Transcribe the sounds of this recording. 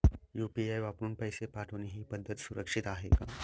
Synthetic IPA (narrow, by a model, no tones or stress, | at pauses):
jupiajʋapɾuːnpəjsepaʈʰəoniɦiːpəd̪ʱːət̪suɾəkʂit̪aɦḛka̰